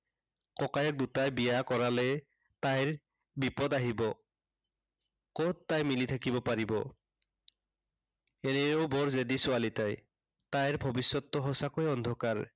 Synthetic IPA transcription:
kɔkajɔk̚dutajbijakɔɹalɛ | tajɹ | bipɔdaɦibɔ | kɔttːajmilitʰakibɔpaɹibɔ̰ | ɛnɛɹowbɔɹzedisʊalitaj | tajɹbʱɔbisːɔtːɔɦɔsakojɔndʱɔkaɹ

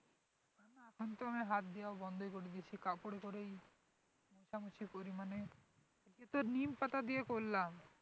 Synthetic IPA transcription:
anaɛkʰont̪oamiɦat̪̚d̪eaobɔnd̪ʱojkoɾid̪iet͡ɕʰikapoɽekoɾej | moʃamut͡ɕʰipoɾimane | et̪oɾnimpat̪ad̪iekolːam

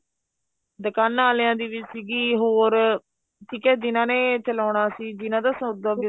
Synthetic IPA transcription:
d̪əkanaːleãːd̪iːʋɪt͡ʃsiːɡiːɦoːɾ | ʈʰiːkɛːd͡ʒɪnãːneːt͡ʃʰəlɔːɳaːsiːd͡ʒɪnãːd̪aːsod̪aːbɪ

